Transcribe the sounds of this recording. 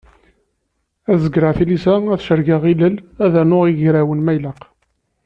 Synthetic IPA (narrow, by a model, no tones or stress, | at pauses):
æzəɡɾaʕθilisææθʃəɾɡəʁiləlæðænʊʁiʝɾæwənmæjləq